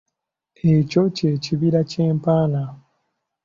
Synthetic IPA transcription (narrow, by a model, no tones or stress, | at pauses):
eco̞ce̞ːciβiɾace̞ːmpaːna